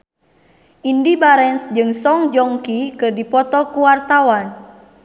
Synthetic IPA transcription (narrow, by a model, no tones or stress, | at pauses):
ʔindibaɾɛnsd͡ʒɨŋsɔŋd͡ʒɔŋkikɨrdipɔt̪ɔkuwart̪awan